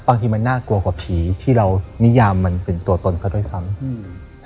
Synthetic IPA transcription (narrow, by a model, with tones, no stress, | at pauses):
baː˧ŋt̪ʰiː˧ma˧nːaː˥˩ku˧ɐkwaː˨˩˦pʰiː˩˦t̪ʰiː˥˩ɾa˧wni˦˥jaː˧mːa˧npe˧nt̪u˧ɐt̪o˧nsa˧˦du˥˩əjsa˦˥m